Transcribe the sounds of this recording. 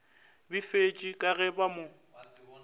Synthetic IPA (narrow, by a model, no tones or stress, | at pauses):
bifet͡ʃʼikʼaɣɛbamo